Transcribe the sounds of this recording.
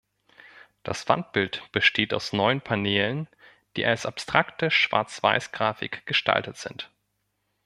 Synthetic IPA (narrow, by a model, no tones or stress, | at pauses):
d̥a̰sv̥a̰nt̚b̥ɪltb̥əʃtʰeːta̰ʊsnɔʏənpʰaneːlən | d̥ḭːʔalsʔapstʁ̥aktəʃv̥a̰ːɐt͡sv̥a̰ɪsɡ̥ʁaːfɪ̰kɡ̥əʃtʰa̰ltətz̥ɪnt